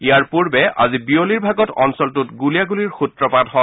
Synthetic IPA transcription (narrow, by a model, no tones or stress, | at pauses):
ijaɹpuɹbɛʔa̰zibioliɹbʱaɡɔtɔnsɔltʊtɡulijaɡuliɹxutɹɔpadɦɔ